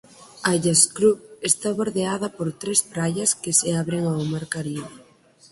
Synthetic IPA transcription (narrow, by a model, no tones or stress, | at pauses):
aʎaskɾupest̪aβoɾðeað̞ɐpoɾt̪ɾespɾajɐskɪseaβɾeŋawmaɾkaɾiβe